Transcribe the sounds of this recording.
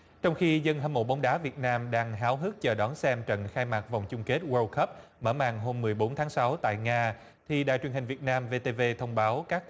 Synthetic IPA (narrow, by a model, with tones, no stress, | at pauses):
t͡ɕɔ˧wŋ͡mxi˧zə˧nɦə˧nmo̰˧˩ɓa˨˦wŋ͡mɗaː˨˦vi˨˩ət̚naː˧mɗaː˧ŋɦaː˨˦wɦɨ˦˥k̚t͡ɕəː˨˩ɗɔ˨˦nsɛ˧mt͡ɕə̰˧˨nxaː˧jmaː˨˩va˨˩wŋ͡mt͡ɕʊ˧ŋ͡mke˦˥t̚wəː˧kʰə˦˥p̚məː˧˩ma̰ː˧˨ŋɦo˧mːɨ˨˩əjɓo˨˦nt̪ʰaː˨˦ŋsa˨˦wt̪a̰ː˧˨jŋaː˧ | t̪ʰi˨˩ɗa̰ː˧˨jt͡ɕwi˨˩ənhï˨˩ŋ̟vi˨˩ət̚naː˧mve˧t̪e˧ve˧t̪ʰə˧wŋ͡mɓaː˨˦wkaː˦˥k̚